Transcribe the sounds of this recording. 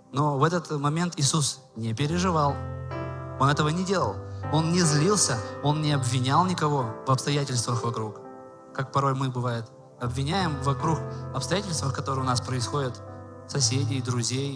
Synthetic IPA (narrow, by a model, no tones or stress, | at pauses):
no̞vɛt̪ət̪mɐmʲe̞nt̪ɪsus | nʲɪpʲɪɾʲɪʐɨvɑlˠ | o̞nɛt̪əvənʲɪdʲe̞lˠəlˠo̞nnʲɪzlʲilˠsʲəo̞nnʲɪɐbvʲɪnʲalˠnʲɪkɐvo̞vɐpst̪ɐjætʲɪlʲst̪vəxvɐkɾuk | kak̚pɐɾo̞jmɨbɨvajɪt̪ | ɐbvʲɪnʲæjɪmvɐkɾuxɐpst̪ɐjætʲɪlʲst̪vəfkɐt̪o̞ɾɨjʊnaspɾəɪsxo̞dʲɪt̪ | sɐsʲedʲɪjd̪ɾʊzʲej